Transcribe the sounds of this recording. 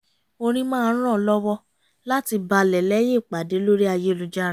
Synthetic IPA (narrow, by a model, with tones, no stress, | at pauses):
o˧ɾ̃ĩ˦mãː˦˧˦ɾ̃ɔ̃˦˨˧lɔ˦wɔ˦ | la˦ti˧ba˧lɛ˨lɛ˨˦je˦˨k͡pa˨de˨˦lo˦ɾi˦a˧je˦lu˨d͡ʒa˦ɾ̃